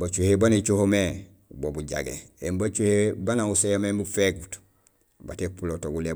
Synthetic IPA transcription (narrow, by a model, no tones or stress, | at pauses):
bat͡ʃuhebanet͡ʃohome | bobuɟa̰ɡḛembat͡ʃuhebanausejamembufeɡut | ba̰tepulotoɡule